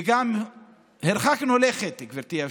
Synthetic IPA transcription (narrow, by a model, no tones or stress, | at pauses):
ɡam | heɾχaknoleχet̪ekveɾt̪ia